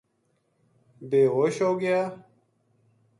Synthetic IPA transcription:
beːɣoːɕoːɡɪjaː

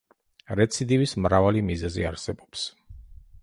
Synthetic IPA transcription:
ɾɛt̪sʰid̪ivismɾavalimizɛzḭaɾsɛbɔ̥ps

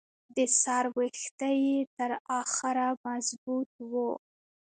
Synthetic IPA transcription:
d̪əsɑɾwixt̪ajet̪əɾɑxɪɾamazbut̪̚wu

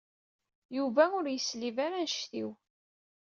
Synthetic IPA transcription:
juvæʊɾjəslivaɾænʃθiw

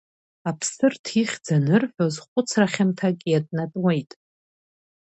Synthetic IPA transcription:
apʰsɨrtʰiχʲd͡zanɨrħʷᶣozχʷʊt͡sʰraχʲamtʰakʲʼjatʼnatʼwejtʼ

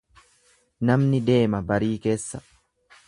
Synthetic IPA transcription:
nɐmnɪd̪e̞ːmɐbɐɾiːke̞ːsːɐ̥

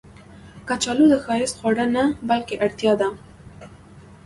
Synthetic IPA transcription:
kat͡ʃɑlud̪əxɑjɪsxwaɽanabalkeʔaɽt̪jɑd̪a

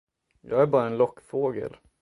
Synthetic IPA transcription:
jɑːɡæɾbɑːɾaɛnlɔkːfoːɡə̰l

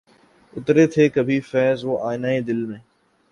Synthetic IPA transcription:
ʊt̪ɾeːt̪ʰeːkəbʱiːfɛːzoːʔaːɪnaːed̪ɪlmẽː

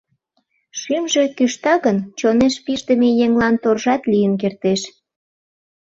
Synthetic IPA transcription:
ʃymʒekyʃt̪ɑɣənt͡ɕoneʃpiʃd̪əmejeŋlɑnt̪orʒɑt̪lijənk̬ert̪eʃ

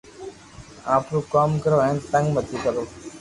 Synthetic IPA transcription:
ãːpɾuːkaːmkəɾoːɛ̃nt̪ə̃ŋɡmət̪iːkəɾoː

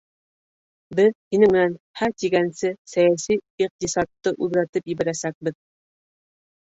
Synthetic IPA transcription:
bɘðhinɘmɘ̆næn | hæɾt̪iɡænsɘsæjæsijiq̚t̪isɑt̪ːɤʔʉðɾæt̪ɘpjɘ̆βæ̆ɾæsæk̚bɘð

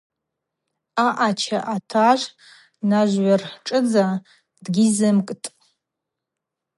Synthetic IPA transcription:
aʔat͡ʃʰaʔatʰaʒʷ | naʒʷːarħʈ͡ʂʼɨd͡za | dɡʲizɨmkʼtʼ

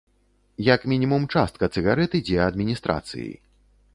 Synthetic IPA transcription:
jɐkmʲinʲimumt͡ʂast̪̚kɐt̪sɨɣaɾɛt̪ɨd͡zʲɛɐd̪mʲinʲist̪ɾa̰t̪sɨ̰jḭ

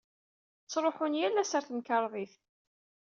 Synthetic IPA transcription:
t͡sːɾˤoħʊnjælːæsəɾθmkɑɾˤðˤiθ

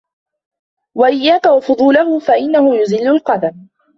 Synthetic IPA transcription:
waʔɪjːaːkawɑfʊd̪ˤuːlahʊfaʔɪnːahʊjʊzɪlːʊlqɑd̪am

